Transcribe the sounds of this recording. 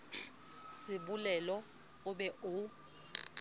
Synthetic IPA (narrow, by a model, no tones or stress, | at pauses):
sɪɓulɛlɔ | ʊɓɛʔʊ